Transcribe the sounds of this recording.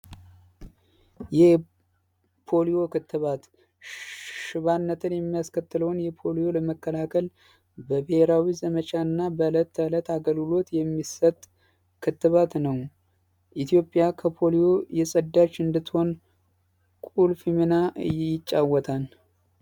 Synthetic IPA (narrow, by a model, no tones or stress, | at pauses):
jɛ | pʰo̞lijo̞kɨt̪ːɨβat̪ | ʃɨβanːət̪ʰɨnjɛmːijaskʰət̪ːɨləwnjɛpʰo̞lijo̞ləməkːəlakʰəl | bəbeheɾawizəmət͡ʃaɨnːabələt̪ːələt̪ːaɡəlɡɨlo̞t̪jɛmːisət̪ʼ | kʰɨt̪ːɨβat̪nəw | ʔit̪ʰijo̞pʼːjakʰəpʰo̞lijo̞jɛsʼəd̪ːat͡ʃːɨnd̪ɨt̪ːho̞n | kʼulfimɨnajɪt͡ʃʼːawːɔt̪ʰan